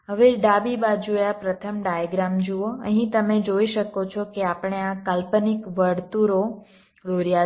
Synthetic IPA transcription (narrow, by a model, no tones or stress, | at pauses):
ɦəʋeɖabibad͡ʒojapɾət̪ʰəmɖajaɡɾamd͡ʒuoə̰ɦĩt̪əmed͡ʒoiʃəkot͡ʃʰɔkeapɳ̃eãkalpənikʋəɽt̪uɾo | ɡloɾija